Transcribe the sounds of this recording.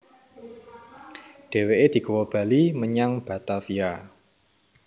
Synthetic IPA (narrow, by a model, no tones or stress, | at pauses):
ɖ̥e̤weʔed̪̥i̤ɡowɔb̥a̤liməɲaŋb̥a̤t̪afia